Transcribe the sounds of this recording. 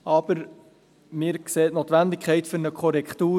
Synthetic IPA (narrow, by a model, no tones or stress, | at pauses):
ɑb̥əɾ | mɪːɾkseːtnot̪ʋændɪkʰχɛɪtfʏɾnəkʰχɔɾɛkχt̪uː